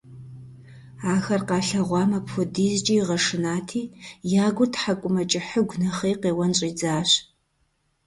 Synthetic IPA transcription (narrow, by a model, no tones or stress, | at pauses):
aːxɐrqɑːɬɐʁʷɑːmɐpxʷʊdiːzt͡ʃʼijʁɐʂɨnaːtʰiːjaːɡʷʊrtʰħakʷʼʊmɐt͡ʃʼɪħəɡʷnɐχeːqeːwɐnɕʼiːd͡zaːɕ